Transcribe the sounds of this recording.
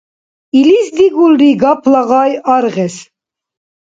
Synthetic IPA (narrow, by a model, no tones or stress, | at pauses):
ilisd̪iɡulɾiɡɑpʰlaɣɑjɑɾʁɛs